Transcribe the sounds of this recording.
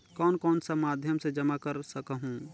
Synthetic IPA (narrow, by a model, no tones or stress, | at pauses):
kɔːnkɔːnsəmad̪ʱjəmsed͡ʒəmakəɾsəkɦũ